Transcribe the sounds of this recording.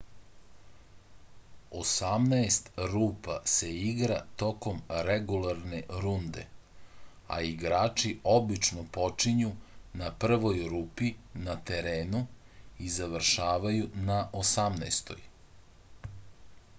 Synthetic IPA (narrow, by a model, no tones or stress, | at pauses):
osamnaest̪ɾuːpa̰se̞iɡɾat̪o̞ko̞mɾeɡulˠaɾneɾund̪ḛ | a̰iɡɾaːt͡ʂio̞bit͡ʃnopo̞t͡ʂiɲunapr̩ʋo̞jɾuːpinat̪eɾeːnuizaʋr̩ʃaːʋajunaʔosamnast̪o̞̰j